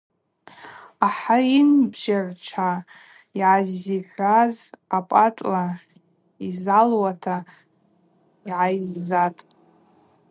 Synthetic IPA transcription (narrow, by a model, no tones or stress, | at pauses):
aħainbʒart͡ʃʷʰa | iʕaziħʷazapʼatʼla | izalwatʰa | iʕajzːatʼ